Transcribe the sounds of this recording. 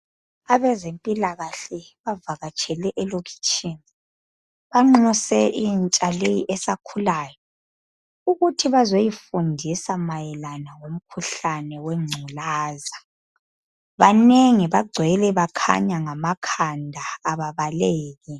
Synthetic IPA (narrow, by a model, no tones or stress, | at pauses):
aβɛzempʼilaɣaɬɛβavaɣat͡ʃʼʰɛlɛʔɛlokʰi̥t͡ʃʰʼini | βaŋ͡ǁusɛʔint͡ʃʼalejiʔɛsakʰulaːjɔ | uɣutʰiβazojifundʱisamajɛlanawom̩kʰuɬanɛwɛŋ͡ǀʱulaːza | βaneŋiβaɡ͡ǀʱwɛlɛβakʰa̰ɲaŋamakʰandʱaːβaβaleːɣi